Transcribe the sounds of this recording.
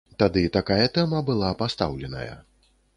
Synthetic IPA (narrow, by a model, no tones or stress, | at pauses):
t̪ad̪ɨt̪akajɐt̪ɛmɐbɨlˠapast̪a̰wlʲɛnɐ̰jɐ̰